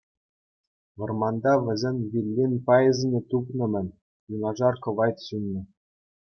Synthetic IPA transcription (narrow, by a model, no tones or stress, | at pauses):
ʋɤ̆rmɑnd̪ɑʋʲɘ̆zʲenʲvʲilʲːinʲpɑjɘ̆zʲɘ̆nʲĕt̪upnɤ̆mʲɘ̆nʲ | junɑʐɑrkɤ̆ʋɑjt̪ɕunʲːɘ̆